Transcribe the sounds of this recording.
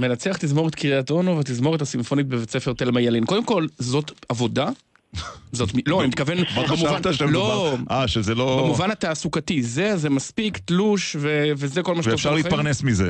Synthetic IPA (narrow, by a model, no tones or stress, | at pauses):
me̞nat͡seaχt̪izmo̞ʁet̪kʰiʁiato̞novet̪̬izmo̞ʁetasimfo̞nit̪̚bevet͡sefeʁt̪elmajalinkod̪emko̞lzo̞t̪avo̞da | zot̪miloanimit̪kavenmaamataʃaloaʃezelobmuvanat̪aːsukatizezemaspikt̪luʃvevezekolmaʃetofʃaʁlipaʁnesmizḛ